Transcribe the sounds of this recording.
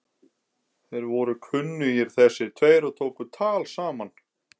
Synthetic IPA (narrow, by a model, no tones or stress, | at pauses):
θejɾvɔɾʏkʰvʏnːʏjɛɾ̥θɛsːɪt̪ʰveːjɾat̪ʰoːwkʏt̪ʰaːlsaːman